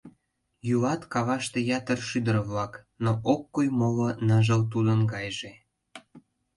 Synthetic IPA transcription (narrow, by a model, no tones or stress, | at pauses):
jylɑt̪kɑβɑʃt̪ejɑt̪ərʃyd̪əɾəβlɑk | noʔokːujmolonəʒəlt̪ud̪ənɡɑjʒe